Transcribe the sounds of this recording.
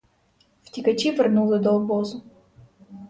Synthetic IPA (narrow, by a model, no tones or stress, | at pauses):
ftʲɪkɐt͡ɕivʲɪrnulˠəd̪ɔlˠbozʊ